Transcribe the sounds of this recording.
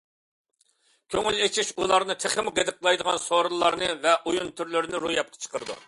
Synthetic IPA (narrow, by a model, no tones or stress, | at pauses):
kʲʰøŋylet͡ʃʰiʃulˠɑɾnɨt̪ʰeχɪmɡed̪ɨqlˠɑjd̪əʁɑnsoɾɨlˠːɑɾnɨvɛʔujunt̪ʰyɾlyɾɪnɪɾujɑp̚qʰɑ̥t͡ʃʰə̥qəɾɨd̪ṵ